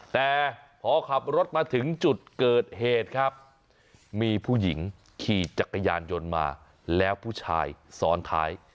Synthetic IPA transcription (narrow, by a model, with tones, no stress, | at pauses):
t̪ɛː˨˩ | pʰɔː˨˦kʰa˨˩p̚ɾo˦˥t̪̚maː˧t̪ʰɯ˩˦ŋt͡ɕu˨˩t̪̚kɤː˨˩t̪̚heː˨˩t̪̚kʰa˦˥p̚ | miː˧pʰuː˥˩ji˩˦ŋ | kʰiː˨˩t͡ɕa˨˩kʰːa˧jaː˧njo˧nma̰ː˧ | lɛː˦˥wpʰuː˥˩t͡ɕʰa̰ː˧jsɔː˩˦nt̪ʰa̰ː˦˥j